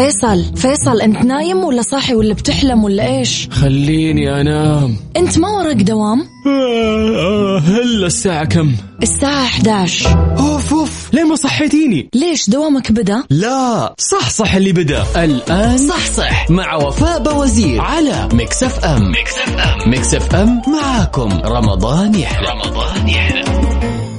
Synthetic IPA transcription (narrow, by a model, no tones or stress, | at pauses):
feːsˤɑlfeːsˤɑlʔɪnt̪naːjɪmwɪlːasˤɑħiwɪlːabt̪ɪħlamwɪlːaʔeːʃxalːiːniʔanaːmʔɪnt̪mawɑɾˤɑɡd̪awaːm | hɪlːasːaːʕakamː | ʔɪsːaːʕaʔaħd̪aːʕʃʔoːfʊfleːmasˤɑħːɪt̪iːnileːʃd̪awaːmakbɪd̪alasˤɑħsˤɑħɪlːibɪd̪a̰ʔɪlʔaːnsˤɑħsˤɑħmaʕawafaːʔbawaziːɾʕalamɪksafʔam | mɪksafʔamːaʕaːkʊmɾˤɑ̰mɑ̰d̪ˤɑːnjaħd̪a | d̪ˤːna